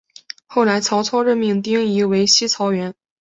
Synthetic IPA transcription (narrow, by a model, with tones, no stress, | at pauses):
xo˥˩ʊla˧˥ɪt͡sʰɑ˧˥ʊt͡sʰɑ˥ʊɻə˥˧nmi˥˩ŋt̪̬i˥ŋi˧˥we˧˥ɪɕi˥t͡sʰɑ˧˥ʊɥɛ˧˥n